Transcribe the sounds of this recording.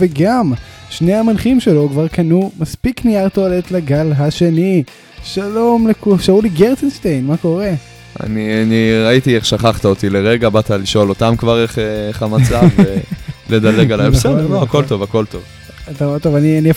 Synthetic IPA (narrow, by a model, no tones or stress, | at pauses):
veɡam | ʃnehamanχimʃe̞lo̞kvaʁkanumaspikniaʁt̪oalet̪laɡalɦaʃe̞ni | ʃalo̞mlekuʃauliɡeʁt͡senʃtejnmako̞ʁe̞ | a̰nianiʁait̪ieχʃaχaχt̪aot̪ileʁeɡabat̪aliʃolo̞t̪amkvaʁeχeeχamat͡saveled̪aleɡalaeseloako̞lt̪o̞vako̞lt̪o̞v | at̪aet̪ovaniania